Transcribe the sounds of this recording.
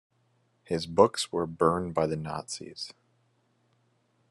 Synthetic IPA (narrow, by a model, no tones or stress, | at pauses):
hɪzbʊkswə˞bɜ̃˞nbaɪðɨnɑ̰tsḭz̥